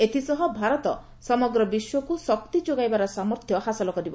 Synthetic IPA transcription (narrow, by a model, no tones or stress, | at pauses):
et̪ʰisɔɦɔbʱaɾɔt̪ɔ | sɔmɔɡɾɔbiswɔkusɔk̚t̪id͡ʒoɡajbaɾɔsamɔɾt̪ʰjɔhasɔlɔkɔɾibɔ